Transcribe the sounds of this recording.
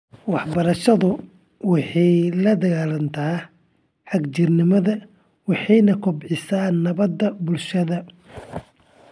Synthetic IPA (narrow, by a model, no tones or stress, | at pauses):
wɑħbɐɾɐʃɐðʊ | wɑħɑjlɐd̪ɐɣaːlɐnt̪ʰaː | ħɑɡt͡ʃɪrnɪmɐðɐ | wɑħɑjnɐkʰʊbʕɪsaːnːɐβɐd̪ːɐbʊlʃɐðɐ